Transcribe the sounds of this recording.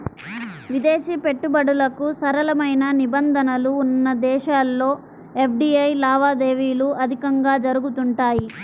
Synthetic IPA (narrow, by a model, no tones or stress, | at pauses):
ʋid̪e̞ːʃipe̞ʈːubɐɽulɐkusɐɾɐlɐmɐjnɐnibɐnd̪ʱɐnɐluːnːɐd̪ɛːʃaːlːo̞ː | e̞p̚ʰɖiːɐjlaːʋaːd̪e̞ːʋiːluʔɐd̪ʱikɐŋɡaːd͡ʒɐɾuɡut̪uɳʈaːji